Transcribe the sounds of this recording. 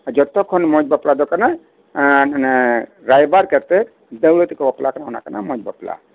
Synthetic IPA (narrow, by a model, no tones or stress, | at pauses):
ad͡ʒɔt̪ɔkʰɔnmɔd͡ʒbaplad̪ɔkana | ɾajbaɾkɛɾt̪ɛ | d̪əwɭɔt̪ikɔbaplakanaɔna̰kana̰mɔd͡ʒba̰pla̰